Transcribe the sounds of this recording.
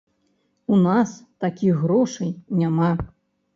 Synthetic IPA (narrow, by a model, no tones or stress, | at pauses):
unast̪akʲiɣɣɾɔʂɨjnʲama